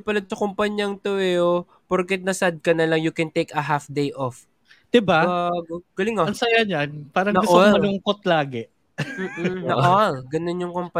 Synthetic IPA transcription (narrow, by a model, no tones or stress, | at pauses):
pɐlɐd̪̚sɐkʊmpɐɲjɐŋt̪owɛo | poɾkɛt̪̚nɐsad̪̚kɐnɐlɐŋjukɛnt̪ejkɐɦafd̪ejʔof | d̪̥ɪbaɡɡ̥ɐlɪŋoɐnsɐjaɲanpaːɾɐŋnɐɡʊʔ̪olmɐlʊŋkot̪̚laːɡɛ | m̩ːnɐʔolɡɐnonjʊŋkompɐ